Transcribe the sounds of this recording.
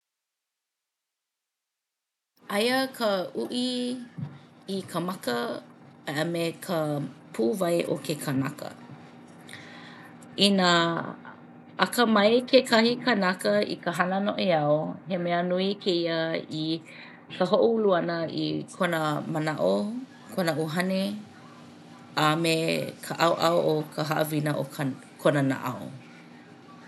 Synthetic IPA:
ʔɐjəkʰəʔuʔi | kʰəmakəaʔəmekʰəpʰuːvɐjʔo̰kʰekʰanakə̰ | inə | kəmɐjkʰekʰɐhikʰənakəḭkəɦɐnənoʔiɐohemeənuikʰeiəi | kəɦoʔuuluɐnəḭkʰonəmənaʔo | kʰonəʔuɦɐne | amekʰəʔɐwʔaoʔokʰəɦɐʔə̰vinəʔo | kʰonɐna̰ʔa̰o̰

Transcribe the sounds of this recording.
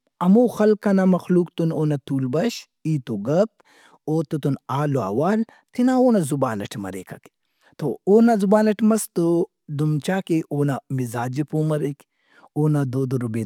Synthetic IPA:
ɐmoːxɐlkɐnamɐxluːkt̪unoːnɐt̪uːlbɐʃ | iːt̪oɡɐp̚ | oːt̪ut̪unaːloa̰ːwaːl | t̪inaoːnazubaːnɐ̰ʈʰmɐ̰ɾḛːkɐ̰ke̥ | t̪ooːnazubaːnɐʈmɐst̪o | d̪umt͡ʃaːkeʔoːnamizaːd͡ʒipoːmɐɾek | oːnad̪oːd̪oɾubeː

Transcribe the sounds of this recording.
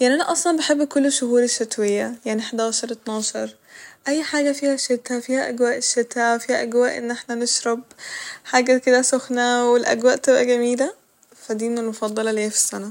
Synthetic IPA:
jaʕniʔænæʔɑsˤlɑnbeħebːkʊlːʃʊhuːɾeʃːæt̪wejːæjaʕniħed̪aːʃɑɾˤt̪nɑːʃɑɾˤ | ʔæjːħaːɡæfiːhæʃet̪hæfiːhæʔæɡwæːʔʃːet̪æfiːhæʔæɡwæːʔḛnːʔeħnænɪʃɾˤɑb̚ħaːɡæked̪æsoxnæwelʔæ̰ɡwæːʔt̪ebʔæɡæmiːlæ | fæd̪iːmenelmofɑd̪ˤːɑlɑleːfi̥sːænæ

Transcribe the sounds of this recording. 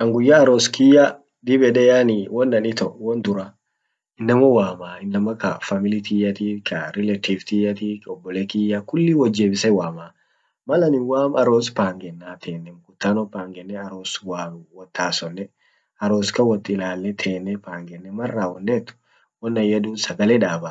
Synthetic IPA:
ʔɐŋɡʊjːaɐɾoːskɪjɐ | d̪ibɛᶑ̪ɛjaniwɔnːɐnɪt̪ɔwɔnd̪ʊɾa | ɪnːɐmɐwaːmaːɪnːɐmɐkɐfɐmɪlɪt̪ʰijɐt̪iːkʰɐɾɪlɛt̪ift̪ijɐt̪iːɔbːɔleːkɪjːakʊlːɪwɐd͡ʒːeːbɪsɛwaːmaː | mɐlɐnɪwaːmɐɾoːspaːŋɡɛnːaːt̪ʰeːnːɛmɡʊt̪ːaːnɔpaːŋɡɛnːɛɐɾoːswaːmwɔt̪ʰːaːsɔnːɛ | ɐɾoːskɐwɔt̪ʼːɪlaːlːɛt̪ʰeːnːɛpaːŋɡɛnːɛmɐrːaːwɔnːeːt̪ːʊ̥ | wɔnːɐjɐd̪uːnsɐɡɐlɛᶑaːbɐ

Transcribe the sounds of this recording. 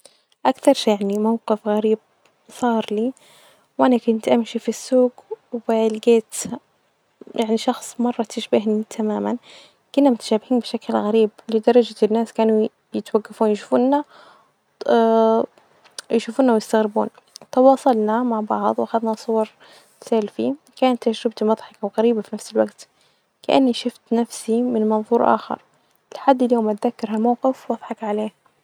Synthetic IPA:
ʔakθɑɾˤʃaʕnimawqɪfɣaɾiːb̚ | sˤɑːɾˤliː | wʔanakʊnt̪ʔamʃifisːuːɡwɪlɡeːt̪ | jʔaʕniʃɑxsˤmɑrˤːɑt̪ɪʃbaɦnit̪ʰamaːman | kʊnːamʊt̪ḁʃaːbɪhiːnbɪʃaklɣaɾiːblɪd̪ɑɾˤɑd͡ʒanːaːskaːnu | jɪt̪waɡːafuːnjaʃufuːnːa | jʃuːfuːnawjɪst̪aɣɾɪbṵːn | t̪ɑwɑːsˤɑlnɑmaʕbɑʕðˤwʔaxaðnasˤːʊwɑɾˤ | salfi | kaːnat̪ːad͡ʒɾɪb̚t̪imɑðˤħɑkawɣaɾiːbafinafsɪlwaɡt̪ | kaʔa̰nːiʃʊft̪nafsimɪnmɑnðˤuːɾʔa̰ːxɑ̰ɾˤ | lɪħad̪ːɪljoːmat̪ðakːɑɾhalmawqɪfwʔɑðˤħɑkʕaleː

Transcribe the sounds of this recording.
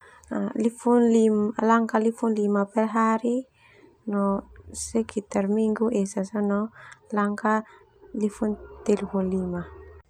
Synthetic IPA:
alifunlimlaŋkalifunlimapɛlɦaɾi | nɔsekʰit̪ɛrmiŋɡuʔesasɔnɔlaŋka | lifunt̪elholima

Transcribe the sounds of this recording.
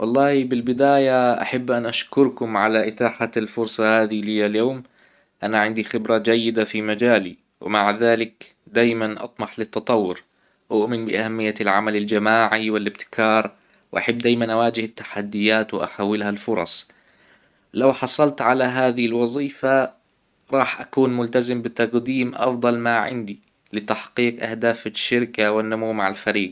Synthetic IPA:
wʔɑlˤːɑːhbɪlbɪd̪aːjaʔa̰ħabːʔanʔaʃkʊɾkʊmʕalaʔɪt̪aːħalfʊɾsˤɑhaːðilɪjaljoːm | ʔanaʕɪnd̪ixɪbɾad͡ʒajːɪd̪afimad͡ʒaːli | wɪ̰maʕðaːlɪk | d̪aːjmanʔɑ̰t̪ˤmɑħlɪt̪ːɑt̪ˤɑwːʊɾ | ʔʊʔmɪnbɪʔahamːɪjːalʕa̰malald͡ʒamaːʕiwɪlɪbt̪ɪ̥kʰɑːɾˤ | wʔa̰ħabːd̪aːjmanʔawaːd͡ʒɪhɪt̪ːḁħad̪ːɪjːaːt̪wʔa̰ħaːwːɪlhalfʊɾˤɑ̰sˤ | lawħɑsˤɑlt̪ʕalaɦaːðɪhɪlwɑzˤiːfa | ɾˤɑːħʔakuːnmʊlt̪azɪmbɪt̪aqd̪iːmʔɑ̰fd̪ˤɑlmaʕɪ̰nd̪i | lɪt̪aħqiːqʔahd̪aːfʃːɪɾkawɪnːʊmuwmaʕɪlfaɾiːɡ

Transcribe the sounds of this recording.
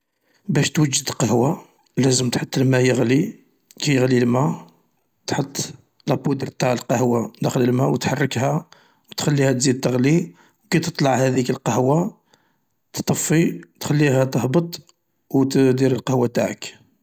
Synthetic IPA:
bæʃt̪wəd͡ʒːəd̪əlqəhwa | læzəmt̪ħət̪ˤːlmæjəɣli | kæjəɣlilmæ | t̪ħət̪ˤː | læbud̪əɾt̪aʕəlqɑhwad̪æxələlmæwət̪ħɑrˤːəkhæ | wt̪xælːihæt̪zid̪̚t̪ːəɣli | wkæt̪ət̪ˤlɑʕhæd̪ikəlqəhwa | t̪t̪ˤːɑfːit̪xælːiɦæt̪əhbət̪ˤ | wt̪d̪iɾəlqəhwat̪aʕək

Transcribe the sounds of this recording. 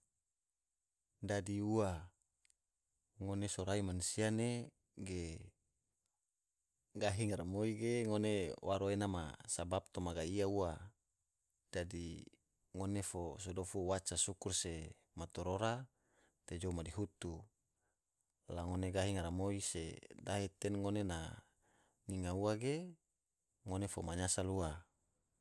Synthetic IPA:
dadiua | ŋonesoɾaimanusiane | ɡe | ɡaɦiŋaɾamoiɡeŋonewaɾoenama̰sabap̚t̪omaɡaiaua | d̥adi | ŋonefosodofuwat͡ʃasukurse | mat̪oɾoɾa | t̪ed͡ʒomadiɦut̪u | laŋoneɡaɦiŋaɾamoisḛdaɦet̪ɛnŋonena | niŋauaɡe | ŋonefomaɲasalua

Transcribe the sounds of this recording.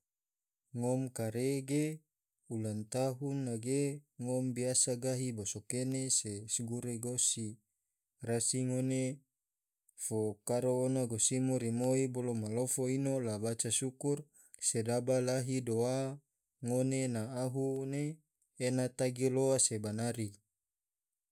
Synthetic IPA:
ŋomkaɾeɡe | ulant̪aɦunːaɡeŋombiasaɡaɦibosokenesesɡuɾeɡosi | rasiŋone | fokaɾoːnaɡosimoɾimoibolomalofoinolabat͡ʃasukur | sedabalaɦidoa | ŋonenaːɦuneː | nat̪aɡiloasebanaɾi

